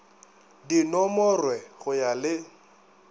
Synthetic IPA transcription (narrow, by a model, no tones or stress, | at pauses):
dinɔmɔrwɛɣʊjalɪ